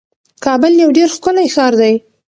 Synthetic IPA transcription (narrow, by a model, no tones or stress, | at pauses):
kɑbəljawɖeɾxkʊnajxɑɾd̪aj